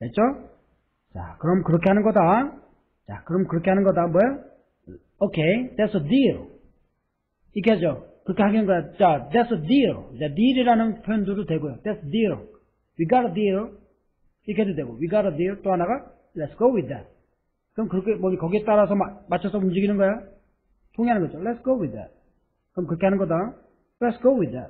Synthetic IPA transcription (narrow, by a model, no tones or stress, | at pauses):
det͡ʃo | t͡ʃa̰kɯɾʌmkɯɾʌkʰehanɯnɡʌd̪a | t͡ʃa̰kɯɾʌmkɯɾʌkʰehanɯnɡʌd̪amɔjo | okʰed̪ɛsʌd̪iɾ | ik̬ʰed͡ʒokɯkʰeɦaɡinɯnɡʌjot͡ʃad̪ɛsʌd̪iɾdad̪iɾiɾanɯnpʰond̪udutweɡojod̪ɛsdiɾo | wiɡaɾɔd̪iɾ | ikʰed͡ʒud̪eɡowiɡaɾad̪iɾt̪oanaɡa | lɛtsɡ̥owid̪ːɛt̚ | kɯmkɯkebɔlikʌɡit̪aɾas̬ʌmamat͡ʃʰɔsɔumd͡ʒiɡinɯŋɡɔja | pʰuŋianɯŋɡɔd͡ʒɔlɛtsɡ̥owid̪ɛ̰t̚ | kɯmkɯkʰeanɯŋɡɔd̪a | lɛtsɡ̥owid̪ɛ̰t̚